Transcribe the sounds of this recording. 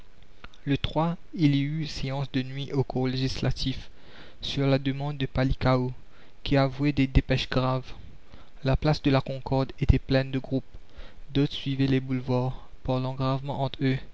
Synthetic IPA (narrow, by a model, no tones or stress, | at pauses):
lət̪χwa | iliyseɑ̃sd̪ənɥiʔokuʁleʒislat̪ʰif | syʁlad̪əmɑ̃d̪ːəpalikao | kʲiavwɛd̪ed̪epɛʃɡʁav | laplasd̪əlakɔ̃kɔʁd̪et̪ɛplɛnd̪əɡʁup̚ | d̪ot̪sɥivɛlebulvwaʁ | paʁlɑ̃ɡʁavmɑ̃ʔɑ̃t̪ø